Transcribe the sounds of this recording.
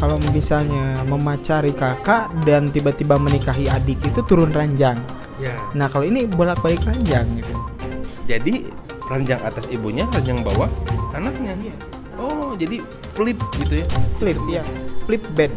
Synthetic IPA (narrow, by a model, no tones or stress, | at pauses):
kalomisalɲaməmat͡ʃaɾikakadant̪ibat̪ibamənikaɦiadikit̪ut̪uɾʊnraɲd͡ʒaŋ | jnahkaloinibolak̚balɪkraɲd͡ʒaŋɡit̪ud͡ʒadi | raɲd͡ʒaŋat̪asibuɲaraɲd͡ʒaŋba̰waanak̚ɲaa | ɔd͡ʒadi | flɪp̚ɡit̪ujaflɪp̚jaflɪp̚bɛd̚